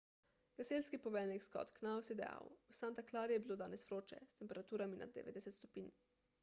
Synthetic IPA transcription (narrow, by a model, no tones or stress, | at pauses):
ɡ̥aselskipɔʋɛːnɛkskɔ̰t̪knawsjɛd̪ɛja̰wusant̪aklaːɾjɛbiloːd̪aːnɛsʋɾoːt͡ʃɛ̰st̪ɛmpɛɾat̪uːɾaminʔa̰d̪ːɛ̰ʋḛd̪ɛsɛt̪st̪ɔpiːn